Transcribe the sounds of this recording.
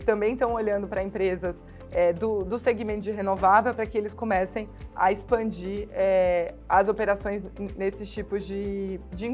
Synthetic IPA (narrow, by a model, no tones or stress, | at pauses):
st̪ɐ̃mbẽj̃t̪ɐ̃w̃oʎɐ̃nd̪ʊpɾɐẽpɾezɐs | ɛd̪ʊd̪ʊseɡimẽnt̪ʊd͡ʒɪɦenovavewpɾɐkɪelɪskomɛsẽj̃ɐ̰ɪspɐ̃d͡ʒiɛɐzopeɾasõj̃znesɪst͡ʃipʊzd͡ʒɪd͡ʒɪĩ